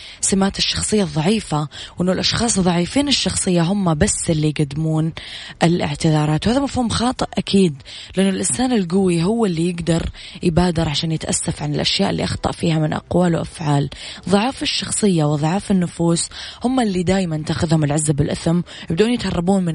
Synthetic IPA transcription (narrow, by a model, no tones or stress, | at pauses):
sɪmaːt̪ɪʃːɑxsˤɨjːɑðˤːɑʕiːfawʔɪnːʊlʔɑʃxɑːsˤðˤɑʕiːfiːnɪʃːɑxsˤɨjːaɦʊmːabasːɪlːijɡad̪ːɪmuːnʔɪlʔɪ̰ʕt̪ɪðɑːɾˤɑːt̪whaːðamafhuːmxɑːt̪ˤɨʔʔakʰiːd̪ | lɪʔɪnːʊlʔɪnsaːnɪlɡʊwːiɦʊwːɪlːijɪɡd̪ɑɾˤjbaːd̪ɪɾˤʕaʃaːnjɪt̪ʔa̰sːafʕanɪlʔaʃjaːʔɪlːḭʔɑxt̪ˤɑ̰ʔfiːhamɪnʔɑ̰qwaːlwʔa̰fʕaːlðˤɑʕɑːfɪʃːɑxsˤɨjːawɨðˤʕɑːfɪnːʊfuːshʊmːalːid̪aːjmant̪aːxɪðhʊmɪlʕazːabɪlʔɪθɪmjɪbd̪uːnjɪt̪hɑrˤːɑbuːnmɪ